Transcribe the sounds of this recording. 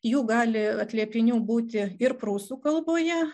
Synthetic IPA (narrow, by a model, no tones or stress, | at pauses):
juːɡɑːlʲɪɐt̪ʲlʲiɛpʲɪnʲuːbuːt̪ʲɪɪɾpɾuːsuːkɐlˠboːjɛ